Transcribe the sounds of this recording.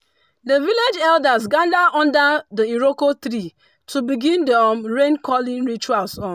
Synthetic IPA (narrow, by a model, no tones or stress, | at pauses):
dəviled͡ʒɛldazɡãndaʔɔ̃ndadəiɾokot̪ɾi | tʰubiɡĩndɔmɹẽnkʰɔlĩŋɹit͡ʃualsɔ̃n